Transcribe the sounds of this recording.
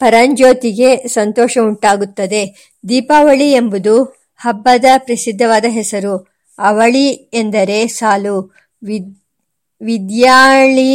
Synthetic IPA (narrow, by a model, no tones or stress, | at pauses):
pɐɾɐɲd͡ʒoːt̪iɡe̞sɐnt̪ɔːʃɐuɳʈaːɡut̪ːɐd̪e̞ | d̪iːpaːʋɐɭiembud̪u | hɐbːɐd̪ɐpɾɐsid̪ʱːɐʋaːd̪ɐɦɛsɐɾu | ɐʋɐɭiend̪ɐɾe̞saːlu | ʋid̪jaːɭi